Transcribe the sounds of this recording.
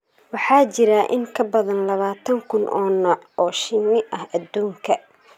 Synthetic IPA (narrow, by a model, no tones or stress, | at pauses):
wɑħɑːt͡ʃɪɾɐʔɪŋkʰɐbɐðɐnlɐβaːt̪ʰɐŋkʰʊnʔɔːnɔːʕʔɔːʃɪnɪʔɐhɐd̪uːŋkʰɐ